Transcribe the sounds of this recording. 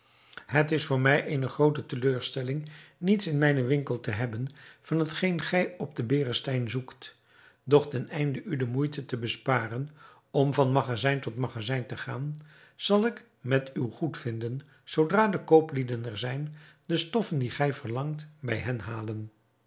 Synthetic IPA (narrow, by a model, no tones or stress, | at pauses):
hətɪsfʊːɹmɛjʔejnəχrowtətəløːɹstɛlɪŋnitsɪnmɛjnəʋɪŋkəlˠtəɦɛbənv̥ɑnɦətχejnχɛjɔb̚dəbɪːrəstɛjnzukt | dɔχtɛnɛjndəʔydəmujtətəbəspaːrən | ɔmvɑnmɑχazɛjntɔtmɑχazɛjntəχaːn | z̥ɑlˠɪk | mɛtywχutfɪndən | z̥owdraːdəkowplidənɛɹzɛjndəstɔfəndiχɛjvərlɑŋtbɛjɦɛnɦaːlən